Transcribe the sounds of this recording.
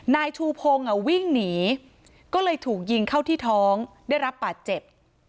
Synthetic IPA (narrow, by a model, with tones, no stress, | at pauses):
naː˧jt̪ʰuː˧pʰo˧ŋʔa˨˩wi˥˩ŋniː˩˦ | kɔː˥˩lɤː˧jt̪ʰuː˨˩k̚ji˧ŋkʰa˥˩wt̪ʰiː˥˩t̪ʰɔː˦˥ŋdaː˥˩jɾa˦˥p̚baː˨˩t̪̚t͡ɕe˨˩p̚